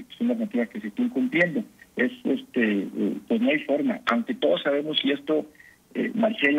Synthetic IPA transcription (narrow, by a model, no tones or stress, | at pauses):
sonlaznat̪iβaskesest̪eŋkumplje̞nd̪o̞e̞sest̪ḛpwezno̞ajfo̞ɾma̰a̰wŋke̞t̪o̞ðo̞sːaβ̞e̞mo̞sie̞st̪o̞ | ḛmansel